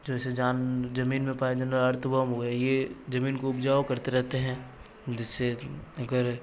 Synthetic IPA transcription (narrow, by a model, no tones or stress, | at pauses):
d͡ʒoːɛsed͡ʒaːnd͡ʒɐmiːnmẽpaːed͡ʒɐnəlɐɾt̪ʰbəmɦoɛjed͡ʒɐmiːnkoʊpd͡ʒaːwkɐɾt̪eɾɛɦt̪eɦɛ̃ː | d͡ʒɪsːeɐɡəɾ